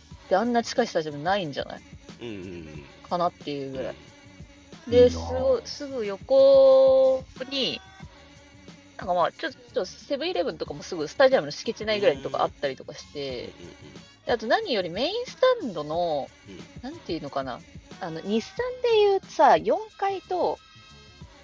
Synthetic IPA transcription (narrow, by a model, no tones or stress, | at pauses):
t̪eãnːat͡ɕi̥kaisɨ̥t̪aʑiamɯ̟naĩɲ̟d͡ʑa̰na̰i | kʰanat̪ːe̞jɯ̟ːɡɯ̟ɾa̰ḭ | d̪e̞sɨɡo̞isɨɡɯ̟jo̞ko̞ | ɲ̟i | nãŋkamat͡ɕo̞t̪ːot͡ɕose̞bɯ̟iɾe̞βɯ̟̃nt̪o̞kamoːsɨɡɯ̟sɨ̥t̪aʑiamɯnoɕi̥ket͡ɕinaiɡɯɾaiɲit̪oka̰ʔa̰t̪ːaɾʲit̪o̞kaɕi̥t̪e̞ | d̪̥eat̪o̞naɲ̟ijo̞ɾʲimẽ̞ĩɰ̃sɨ̥t̪ãnd̪o̞no̞ | nãnt̪eɯ̟nokana̰ano̞ɲ̟isːãnd̪e̞jɯ̟ːt̪o̥sajõ̞ŋkait̪o̞